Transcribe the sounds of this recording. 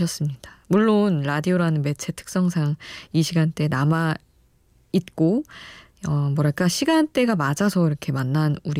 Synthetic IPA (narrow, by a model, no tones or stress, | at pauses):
ʌs͈ɯmɲid̥amuɭːonɾadioɾanɯnme̞t͡ɕʰe̞tʰɯ̥k̚s͈ʌŋsʰaŋiɕʰiɡant͈e̞nama | it̚k͈o | ʌmwʌɾak͈aɕʰiɡant͈e̞ɡamad͡ʑasʰʌiɾʌkʰe̞manːanuɾi